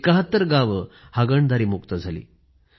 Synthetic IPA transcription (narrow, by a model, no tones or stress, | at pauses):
kəɦət̪ːəɾɡaʋəhaɡəɳd̪aɾiːmukt̪əd͡zʱalḭː